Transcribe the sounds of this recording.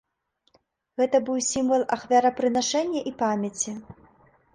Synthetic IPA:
ɣɛt̪ɐbɨwsʲimvɐlˠaxvʲaɾɐpɾɨnaʂɛnʲːɐʔipamʲɐt͡sʲi

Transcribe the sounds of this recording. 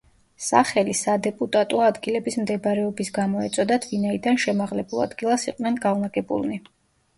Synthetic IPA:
sa̰χɛlisad̪ɛpʼut̪ʼat̪ʼɔad̪ɡilɛbismd̪ɛbɾɛɔbisɡamɔɛt̪sʼɔd̪at̪ʰvinaid̪anʃɛmaʁlɛbulˠa̰d̪ɡilˠasiqʼnɛnɡavnaɡɛbṵlˠni

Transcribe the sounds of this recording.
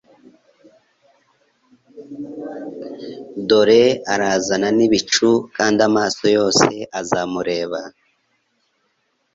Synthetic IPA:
do̞ɾe̞aɾaːzananiβit͡ʃukaːndamaːso̞jo̞ːse̞ʔazamuɾe̞ːβa

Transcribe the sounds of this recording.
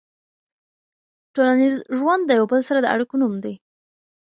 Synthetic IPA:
ʈolanizʒwand̪ːəjawbəlsaɾad̪əa̰ɽikonumd̪e

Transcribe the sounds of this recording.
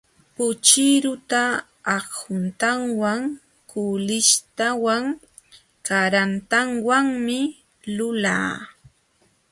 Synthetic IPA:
pʊt͡ʃɪɾʊt̪aː | χhʊnt̪aŋwaŋ | kʊlɪʃt̪awaŋ | kaɾant̪aŋwaŋmɪ | lʊla̰ː

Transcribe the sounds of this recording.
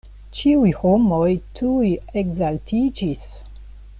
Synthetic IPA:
t͡ʃiujhomojtʰujeɡzaltʰid͡ʒis

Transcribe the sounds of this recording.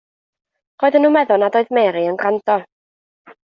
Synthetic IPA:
r̥oːɨðənːuːmɛðʊnadoːɨðmɛːɾiənɡandɔ

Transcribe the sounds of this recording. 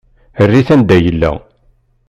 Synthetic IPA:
ərːiθænd̪æjəlːæ̰

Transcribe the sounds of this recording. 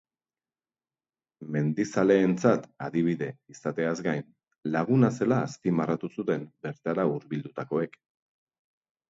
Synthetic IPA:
me̞nd̪isale̞ːnt͡sat̪aðiβ̞iðe̞isat̪e̞azɡajn | laɣ̞unase̞laːspimarat̪usut̪e̞mbe̞ɾt̪aɾauɾβild̪ut̪ako̞e̞k

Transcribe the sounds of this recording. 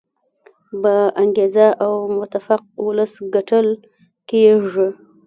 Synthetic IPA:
baaŋɡezaʔawmʊt̪afaq̚wʊləsɡaʈəl | kejeʐə

